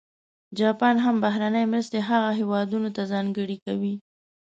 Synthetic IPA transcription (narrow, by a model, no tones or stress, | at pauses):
d͡ʒɑpɑnɦambaɦɾanəjemɾəst̪eɦaɣaɦewɑd̪unot̪azɑŋɡəɽikawi